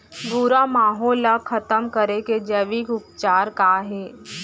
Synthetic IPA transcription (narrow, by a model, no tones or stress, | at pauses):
buɾamaːɦɔːlakʰɐt̪əmkəɾeked͡ʒəʋikʊp̚t͡ʃaːɾkaɦɛː